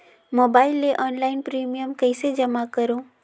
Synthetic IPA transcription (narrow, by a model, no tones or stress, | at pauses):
moːbaɪlːeʔɔːnlaɪnpɾiːmijəmkəɪsed͡ʒəmakəɾõ